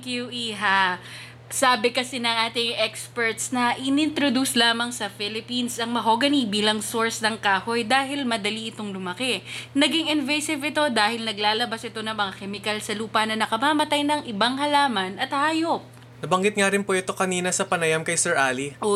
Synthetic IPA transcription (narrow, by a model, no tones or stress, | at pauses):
kjuʔiɦa | saːbɪkɐsɛnɐŋʔaːt̪ɪŋʔɛkspɛɹt̪snɐʔɪnɪnt̪ɾod̪uslaːmɐŋsɐfɪlɪpinsʔɐŋmɐɦoːɡɐnibiːlɐŋsoɹsnɐŋkaːhojd̪aːɦɪlmɐd̪ɐliɪt̪o̞ŋlʊmɐkɛnɐɡɪŋɪnvɛjsɪvɪt̪o̞d̪aːhɪlnɐɡlaːlɐbɐsʔɪt̪o̞nɐŋmɐŋakɛmɪkɐlsɐluːpɐnɐnɐkɐmaːmɐt̪ajnɐŋʔɪbaŋhɐlaːmɐnɐt̪̚haːjo̞p̚ | nɐbɐŋɡɪt̪̚ŋaɾɪnpoʔɛt̪o̞kɐniːnɐsɐpɐnɐjamkɐjsɛɹʔaːli